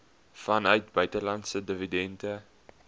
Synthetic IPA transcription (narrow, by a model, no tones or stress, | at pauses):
fɐnœɥt̚bœɥtəlɐntsədəvidɛntə